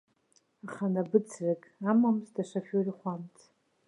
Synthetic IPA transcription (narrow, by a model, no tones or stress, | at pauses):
aχanabɨt͡sʰrakʼamamztaʂapʲoriχʷamtʰ